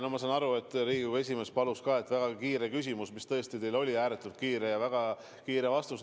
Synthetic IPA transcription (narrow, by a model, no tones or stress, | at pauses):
nɑmɑsɑnɑɾue̞t̪ːˑɾiːɡikue̞s̬ʲime̞ːspɑluskɑːe̞t̪ːˑvæɡ̥ɑkiːɾekys̬ʲimusmist̪ɤ̞est̪it̪e̞jlo̞lʲiæːɾet̪ːˑult̪̚kiːɾe̞jɑvæɡ̥ɑ | kiːɾevɑst̪us